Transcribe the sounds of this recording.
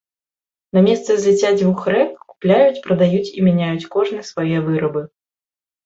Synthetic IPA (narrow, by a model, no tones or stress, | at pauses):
namʲɛst̪sɨzʲɨt͡sʲad͡zʲvuxɾɛkku̥plʲajut͡sʲpɾɐd̪ajut͡sʲimʲɛnʲajut͡sʲkɔʐnɨsvajɛvɨɾɐbɨ